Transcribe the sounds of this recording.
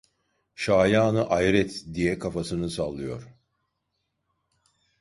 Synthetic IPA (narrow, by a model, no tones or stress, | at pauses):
ʃaːjaːnɯʔajɾɛt̪d̪ijɛkʰafasɯnɯsalˠːɯjo̞̰ɾ̥